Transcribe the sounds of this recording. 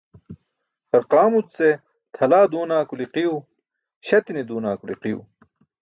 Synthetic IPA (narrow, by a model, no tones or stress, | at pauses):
t̪ɐɾqaːmut͡st͡se | t̪ʰɐlaːd̪uːnaːkuliqiju | ɕɐt̪inid̪uːnaːkulḭqijṵ